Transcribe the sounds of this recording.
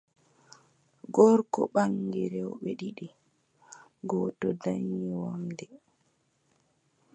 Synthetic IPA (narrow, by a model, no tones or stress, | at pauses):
ɡɔɾkɔ̰ɓaŋɡiɾɛwɓɛɗiɗi | ɡɔːtɔdaɲːiwamdɛ